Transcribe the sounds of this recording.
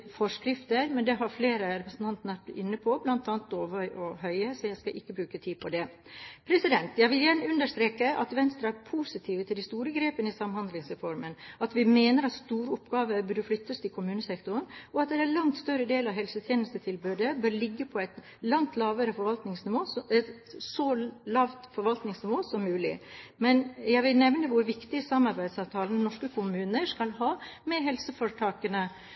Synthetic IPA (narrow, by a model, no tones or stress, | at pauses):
fɔʂkɾɪft̪əɾmɛnd̪ɛɦɑɾfleːɾəɾɛpɾəsn̩t̪ɑnt̪ənəʋæʈɪ̰nːəpʰɔblɑnt̪ɑːnt̪ːoːʋœʏʔɔɦœʏəsɔjæɪskɑʔɪkːəbɾʉːkət̪ʰiːpʰɔd̪ɛ | pʰɾɛsɪd̪ɛnt̪jæɪʋɪljæːɳəʉnd̪əʂt̪ɾeːkəʔɑt̪ʋɛnst̪ɾɑpʰuːsɪt̪ʰiːʋət̪ʰɪld̪ɪst̪uːɾəɡɾeːpənɪsɑmhɑnd̪lɪŋsɾɛfɔɾmənɑt̪ʋɪmeːnəɾɑt̪st̪uːɾəʊpɡɑːʋəbʉɖəflʏt̪ːəst̪ʰɪlkʰʊmʉːnəsɛkt̪ʊnɔɑt̪d̪ɛɾælɑŋt̪st̪œɾəd̪eːlɑʋɦɛlsət̪ʰjeːnəlst̪ət̪ʰɪlbøːd̪əbœːɾɭɪɡːəpʰɔɛɪt̪ | lɑŋt̪lɑːʋəɾəfɔɾʋɑlt̪nɪŋsnɪʋoːsɛt̪sɔlɑːʋt̪fɔɾʋɑlt̪nɪŋsnɪʋoːsɔmːʉːlɪ̰mɛnjæɪʋɪlnɛʋnəʋʊɾʋɪkt̪ɪsɑmɑɾbæɪd̪sɑʋt̪ʰɑːlənnɔʂkəkʰʊmʉːnəʂkɑlhɑːmɛɦɛlsəfɔɾʈʰɑːkənə